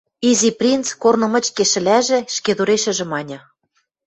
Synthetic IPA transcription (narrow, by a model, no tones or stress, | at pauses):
iziprʲint͡skornɤ̆mɤ̆t͡ɕkeʃɘ̆læʒĕʃked̪uɾeʃɘ̆ʒɘ̆mɑnʲɤ̆